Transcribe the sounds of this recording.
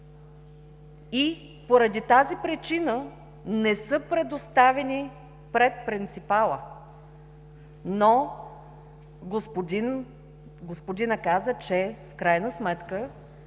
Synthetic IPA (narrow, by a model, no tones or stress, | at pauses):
i | poɾɐd̪it̪azipɾɛt͡ʃinə | nɛsɤpɾɛd̪ost̪avɛni | pɾɛt̪̚pɾint̪sipalˠə | no | ɡospod̪in | ɡospod̪inəkazət͡ʃɛfkɾajnəsmɛt̪kə